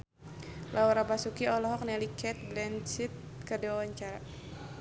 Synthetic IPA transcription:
lʔaɔɾapasukiɔlɔɦɔk̚nɛlikɛt̪̚blɛnsit̪̚ | kədɛwawaɲt͡ʃaɾa

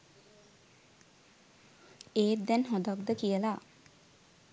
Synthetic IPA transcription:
eːd̪ɛnɦɔd̪ak̚d̪əkijəla

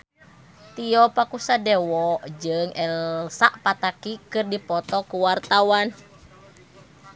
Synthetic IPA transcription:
t̪iɔpakusadɛwɔʔd͡ʒɨŋɛlsaʔpat̪akikɨrdipɔt̪ɔkuwart̪awan

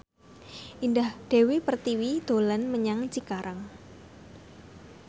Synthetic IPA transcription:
ʔindahd̪̥e̤wepərt̪iwid̪̥olanməɲaŋt͡ʃikaɾʔaŋ

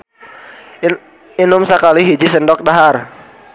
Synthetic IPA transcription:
inʊmsakaliɦid͡ʒisəndɔk̚daɦar

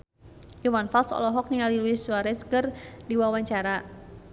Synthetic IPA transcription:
jumanfalsɔ̰lɔɦɔk̚niŋaliluisuaɾɛsə̥kərdiwawaɲt͡ʃaɾa

